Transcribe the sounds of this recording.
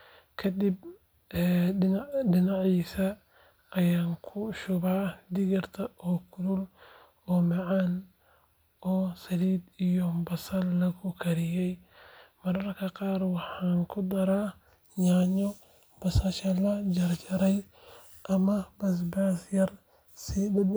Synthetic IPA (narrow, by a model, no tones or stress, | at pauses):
kʰɐd̪ib | ɛːɪnɖɪnɑʕiːsɐː | jaːŋkʰʊʃʊβaːd̪ɪɣɪrt̪ʰɐʔɔːkʰʊɾʊl | ɔːmɑʕɑːn | ɔːsɐliːd̪ijɔbɐsɐllɐkʰʊkʰɐɾɪjɛj | mɐɾɐrkʰɐqɑːrwɑħɑːŋkʰʊd̪ɐɾaː | ɲaːɲɔ | b̥ɐsɐʃɐlɐd͡ʒɐrt͡ʃɐɾɛj | ʔɐmɐbɐs̬baːsjɐr | siːdd̪